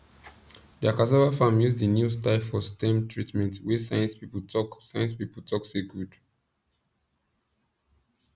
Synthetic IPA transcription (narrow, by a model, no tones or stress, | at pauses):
diakasɛvafãmjusdənjustalfɔstɛ̃mtʰɹitmɛ̃ntwisajɛ̃nspipɔsajɛ̃nspiptʰɔkseɡud̥